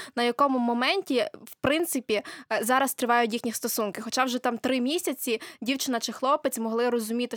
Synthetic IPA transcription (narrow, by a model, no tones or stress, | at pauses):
nɐjɐkɔmʊmɔmɛnʲtʲiwpɾɪnt̪sɪpʲizɑɾɐst̪ɾɪʋɑjʊtʲjixnʲist̪ɔsunkɪxɔt͡ʃɑwʒɛt̪ɑmt̪ɾɪmʲisʲɐt͡sʲidʲiwt͡ʃɪnɐt͡ʃɪxlˠɔpɪt͡sʲmɔɦlˠɪrɔzʊmʲit̪ɪ